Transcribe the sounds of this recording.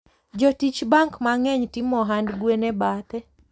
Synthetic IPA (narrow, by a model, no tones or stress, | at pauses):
d͡ʒɔtit͡ʃbaŋkmaŋɛɲtimɔɦandɡwenɛbat̪ɛ